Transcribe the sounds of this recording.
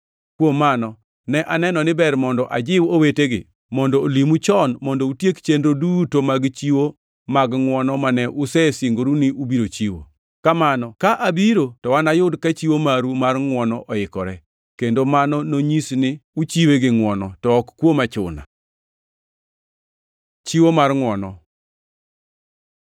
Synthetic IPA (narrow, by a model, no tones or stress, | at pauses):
kwomːanɔ | nɛʔanɛnɔnɪbɛɾmɔndɔʔad͡ʒɪwoweteɡɪ̰ | mɔndɔːlimut͡ʃɔnmɔndɔutjekt͡ʃendodutomaɡt͡ʃiwo | maɡŋwɔnɔmanɛʔʊsɛsiŋɡoɾunɪʔubiɾot͡ʃiwo̰ | kamanɔkaʔabiɾotɔwanajʊdkat͡ʃiwomaɾumarŋwɔnɔʔɔɪkɔɾɛ | kendomanɔnoɲisnɪut͡ʃiweɡɪŋwɔnɔtɔːkkwomat͡ʃʊ̰na̰ | t͡ʃiwomarŋwɔnɔ